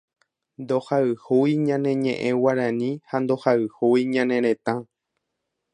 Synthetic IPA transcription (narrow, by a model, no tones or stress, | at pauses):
nd̪ohaɨhojɲãnẽ̞ɲḛ̃ʔẽwaɾãnĩhand̪o̞haɨhojɲãnẽ̞ɾẽt̪ã